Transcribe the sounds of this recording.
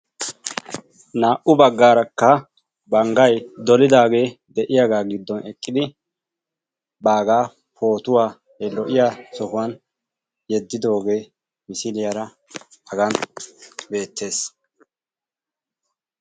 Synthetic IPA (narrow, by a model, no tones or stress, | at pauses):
naːʔʊbɐɡːaːɾɐkːɐ | bɐŋɡɐjd̪ɔlɪd̪aːɡe̞ː | d̪ɛʔɪjaɡaːɡɪd̪ːɔnʔɛkʼːɪd̪ɪ | baːɡaː | pʰo̞ːt̪ʊwaː | hɛlɔʔɪjaːsɔhʊɐn | jɛd̪ːɪd̪o̞ːɡe̞ː | mɪsɪlɪjɐɾɐ | hɐɡɐn | be̞ːt̪ːe̞ːs